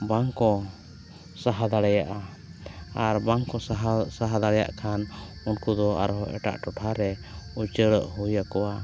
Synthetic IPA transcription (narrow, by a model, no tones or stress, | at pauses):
baŋkɔ | saɦad̪aɽɛjaʔa | aɾbaŋkɔɦsaɦad̪aɽɛja̰ʔkʰanunkud̪ɔa̰ɾɦɔɛ̰ʈa̰ʔʈɔʈʰaɾɛut͡ʃəɽəʔhujakɔwa